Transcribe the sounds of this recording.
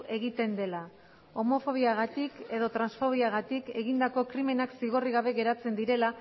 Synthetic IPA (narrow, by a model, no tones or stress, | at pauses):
ʔe̞ɣ̞it̪e̞nd̪e̞la | o̞mo̞fo̞β̞iaɣat̪ike̞ðo̞t̪ɾansfo̞β̞iaɣ̞at̪ike̞ɣind̪ako̞kɾime̞naksiɣo̞riɣaβ̞e̞ɣe̞ɾat͡se̞nd̪iɾe̞la